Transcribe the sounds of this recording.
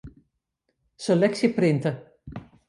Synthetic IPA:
səlɛksjəprɪntə

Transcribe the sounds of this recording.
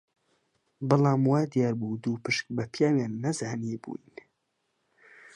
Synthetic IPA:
bɨlaːmwaːd̪ijaːɾbud̪uːpɨʃk̚bɐpʰjaːwjaːnːɐzaːnibṵːjn

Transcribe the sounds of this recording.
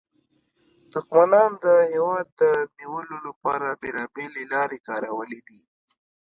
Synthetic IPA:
d̪̥ʊxmanɑnd̪əhewɑd̪ːəniwəlolapɑɾabelɑbelelɑɾekɑɾawəled̪i

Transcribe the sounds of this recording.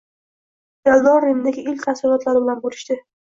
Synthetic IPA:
jalˠd̪ɒnɾenɪd̪aɡʲɪɪlʲkʲt̪ʰasɪlɒt̪laɾɪbɪlanbolɪʃt̪ɪ

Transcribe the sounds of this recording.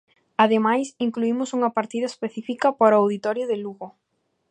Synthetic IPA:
aðemajsiŋkluimʊsuŋɐpaɾt̪iðɐespeθifikɐpaɾawðit̪ɔɾjʊðɪluɣo

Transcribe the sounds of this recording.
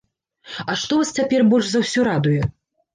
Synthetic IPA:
ɐʂt̪ɔvast͡sʲapʲɛrbɔlʲʂzɐwsʲɔɾad̪ujɛ

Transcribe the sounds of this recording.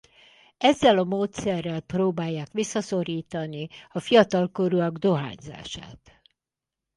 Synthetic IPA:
ɛzːɛlɒmoːt̪sɛrːɛlproːbaːjːaːkʋisːɒso̞ɾiːt̪ɒniɒfijɒt̪ɒlko̞ɾuɒɡd̪o̞ɦa̰ːɲza̰ːʃa̰ːt̪

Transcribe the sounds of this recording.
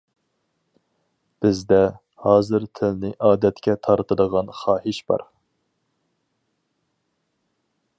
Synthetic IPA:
b̥ɪzd̪ɛ | hɑːzɨɾt̪ʰɪlnɪʔɑːd̪ɛt̪kʲɛt̪ʰɑɾt̪ʰɨd̪əʁɑnχɑːhɪʃbɑ̰ɾ

